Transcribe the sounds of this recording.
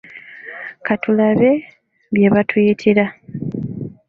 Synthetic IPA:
kʰatʰulaβe̞ | βje̞βatʰujitʰiɾa

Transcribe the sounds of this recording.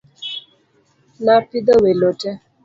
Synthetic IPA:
napid̪əwelotɛ

